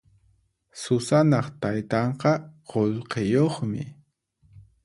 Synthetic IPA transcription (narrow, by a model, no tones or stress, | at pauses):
sʊsanɑχt̪ajt̪ɑɴqɑqolqejoχmɪ̰